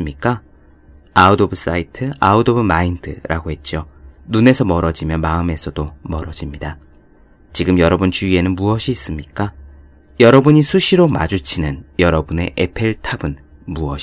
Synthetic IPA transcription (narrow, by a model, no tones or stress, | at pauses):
mɲik͈a | audobɯs͈aitʰɯaudobɯmaindʰɯɾaɡoɦe̞t̚t͡ɕ͈jonune̞sʰʌmʌɾʌd͡ʑimjʌnmaɯme̞sʰʌdomʌɾʌd͡ʑimɲida | t͡ɕiɡɯmjʌɾʌbunt͡ɕuie̞nɯnmuʌɕʰiːs͈ɯmɲik͈a | jʌɾʌbuɲisʰuɕʰiɾoma̰d͡ʑut͡ɕʰinɯnjʌɾʌbune̞ʔepʰe̞ɭtʰabɯn | muʌɕ